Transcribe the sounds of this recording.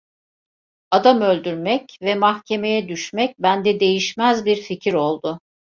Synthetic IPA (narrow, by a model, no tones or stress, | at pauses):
ad̪amø̞lʲd̪yɾmɛcvɛmahcʰe̞me̞jɛd̪yʃmɛc̚bænd̪ɛd̪e̞jiʃmæzbiɾficʰiɾo̞lˠd̪ʊ